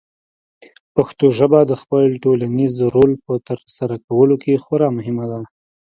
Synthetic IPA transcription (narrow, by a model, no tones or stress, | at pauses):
paxt̪oʒəbad̪əxpəlʈolanizɾolpət̪əɾsaɾakawəlokexwaɾɑmʊɦɪmad̪a